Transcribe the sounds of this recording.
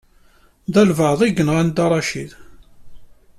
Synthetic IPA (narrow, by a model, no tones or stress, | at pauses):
ðælvəʕðˤiɡənʁand̪ɑɾˤɑʃið